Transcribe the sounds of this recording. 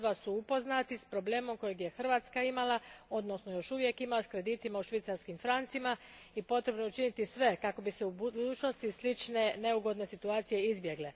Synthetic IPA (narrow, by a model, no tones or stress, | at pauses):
ʋasuupo̞znat̪ispɾo̞ble̞ːmo̞mko̞jeɡje̞xr̩ʋaːt̪skaimalˠao̞d̪no̞snojo̞ʃuʋje̞kimaoskɾe̞d̪iːt̪imauʃʋit̪saɾskimfɾant̪sima | ipo̞t̪ɾe̞bnout͡ʃinit̪isʋe̞kako̞biseubud̪uːt͡ʃno̞st̪islit͡ʃne̞ne̞uɡo̞d̪ne̞sit̪uaːt̪sije̞izbje̞ɡle